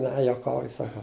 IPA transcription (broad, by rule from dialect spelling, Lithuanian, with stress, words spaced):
ˈnʲɛ juɔˈkɐʊjʊ sɐˈkɐʊ